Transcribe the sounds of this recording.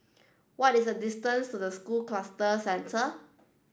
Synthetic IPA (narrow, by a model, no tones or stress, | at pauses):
wɔtisədistə̃nstudəskulklastəsɛ̃ntʰə